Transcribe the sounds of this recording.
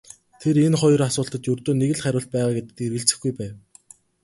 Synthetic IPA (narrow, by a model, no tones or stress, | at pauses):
t̪ʰeɾenχɔj̆rasʊːɬt̪ə̆t̪jɵrt̪oːneɣɘ̆ɮχæɾʲʊːɬt̪̚pæːʁaːɡet̪ɘ̆t̪ɘ̆erɣɘ̆ɬt͡sɘ̆xɡujpæːw